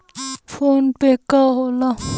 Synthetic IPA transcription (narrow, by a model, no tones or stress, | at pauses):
pʰoːnpekaɦola